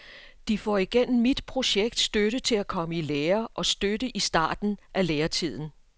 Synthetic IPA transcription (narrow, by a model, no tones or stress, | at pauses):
d̥ifɒ̰iɡ̥en̰m̩ːid̥pʰʁo̝ɕeɡ̥̚d̥sd̥øɾət͡sʰe̝lækʰɒ̽məileːɐʔɒ̽sd̥ødəʔisd̥ɑ̰̈ːd̥n̩ʔæleːɐt͡sʰið̞̰ˠn̩